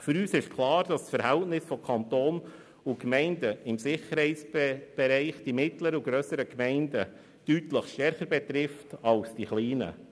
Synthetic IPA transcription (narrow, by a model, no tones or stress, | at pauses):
fʏɾyːsɪʃkʰlˠɑːɾd̥ɑssfəɾhɛltnɪsfɔkʰɑntoːn | ʊkmɛɪndəɪmsɪχəɾhɛɪt͡sb̥ɛɾɛɪχd̥imɪtləɾəuɡɾœsəɾəkmɛɪndə | d̥ytləχʃtɛɾχəɾbɛt̪ɾɪftɑlsd̥iχliːnə̰